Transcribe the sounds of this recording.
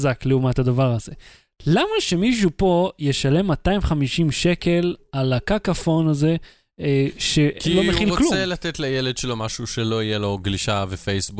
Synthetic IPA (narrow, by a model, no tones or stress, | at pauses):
zakleumat̪had̪avaʁaze̞ | lamaʃe̞miʃ̬upo̞je̞ʃale̞mːataimχamiʃimʃe̞ke̞lalakakafo̞naze̞ | ʃe̞kilomeχilokluelat̪et̪lajeled̪ʃelo̞maʃuʃelo̞ijelo̞ɡliʃavefejsbu